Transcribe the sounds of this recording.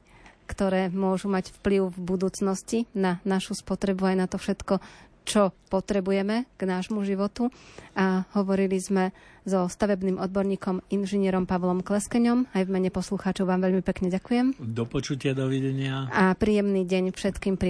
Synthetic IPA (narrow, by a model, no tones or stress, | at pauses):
kt̪ɔɾɛːmʊɔʒumaɟfpliʊvbud̪uːt͡snɔscinanaʃuspɔt̪ɾɛbuajnat̪ɔfʃɛt̪kɔ | t͡ʃɔpɔt̪ɾɛbujɛmɛɡ̥naːʒmuʒiʋɔt̪uaɦɔʋɔɾilizmɛzɔst̪aʋɛbniːmʔɔd̪̚bɔɾɲiːkɔminʒɛɲɪɛɾɔmpaʋlɔmklɛskɛɲɔmajʋmɛɲɛpɔsluxaːt͡ʃɔʊʋaːmʋɛʎmipɛkɲɛɟakujɛmd̪ɔpɔt͡ʃucɪad̪ɔʋiɟɛɲɪaapɾiːjɛmniːɟɛɲfʃɛt̪kiːmpɾ